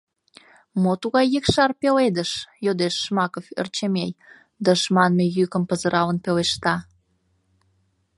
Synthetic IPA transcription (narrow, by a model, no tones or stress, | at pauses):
mot̪uɣɑjːəkʃɑrpeled̪əʃjod̪eʃːmɑkofḛrt͡ɕemej | d̪əʃmɑnmejykəmpəzəɾʔɑlənpeleʃt̪ɑ